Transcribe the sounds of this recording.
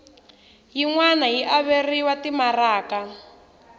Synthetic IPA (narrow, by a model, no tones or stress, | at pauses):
jiŋwanajiʔaβeriwatimaraːka